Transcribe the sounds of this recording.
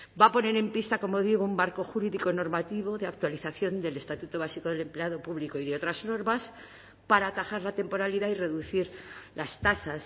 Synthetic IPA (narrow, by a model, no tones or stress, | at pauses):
bapo̞ne̞ɾe̞mpist̪ako̞mo̞ðiɣ̞oumːaɾko̞xuɾiðiko̞no̞ɾmat̪iβo̞ðe̞ak̚t̪waliθaθjo̞nd̪e̞le̞st̪at̪ut̪o̞βasiko̞ðe̞le̞mple̞að̞o̞puβliko̞iðeo̞t̪ɾazno̞ɾβas | paɾaːt̪axaɾlat̪e̞mpo̞ɾaliðaire̞ðuθiɾlast̪asas